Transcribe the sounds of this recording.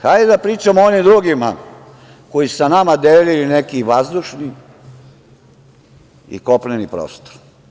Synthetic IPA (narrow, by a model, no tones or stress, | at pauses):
xajd̪ed̪apɾiːt͡ʃamoonimd̪ɾuɡima̰ | ko̞jisu̥sanamad̪elilinekiʋazd̪uʃni | ḭko̞plenipɾo̰ːst̪o̥ɾ